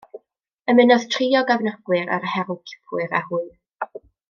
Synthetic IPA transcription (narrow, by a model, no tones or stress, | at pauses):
əmɪnɔð̥tʰriɔɡavnaɡ̥wɨɾa̰ɾhɛɾʊkʰɪ̥pʰʊɨɾahuɨ